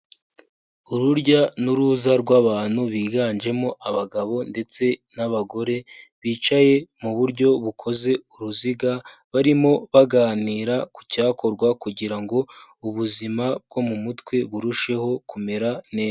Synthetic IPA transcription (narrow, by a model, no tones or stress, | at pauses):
uɾuɾɟanuɾuːzaɾɡwaβaːn̥huβiːɡanʒe̞mo̞ʔaβaɡaβo̞nde̞t͡se̞naβaɡo̞ɾe̞βiːt͡ʃaje̞muβuɾɟo̞βukʰo̞ze̞uɾuziɡaβaɾimo̞βaɡaːniːɾaku̥caːko̞ɾɡwakuɟiɾaŋɡo̞ | uβuzimab̚ɡo̞mumutwe̞βuɾuʃe̞ho̞kume̞ɾaneː